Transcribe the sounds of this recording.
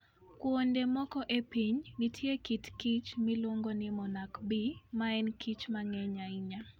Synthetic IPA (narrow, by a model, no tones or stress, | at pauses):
kwondemɔkɔʔepiɲnɪtʰjekitkit͡ʃmɪloŋɡonɪmɔnakbimaɛnkʰit͡ʃmaŋɛɲaiɲa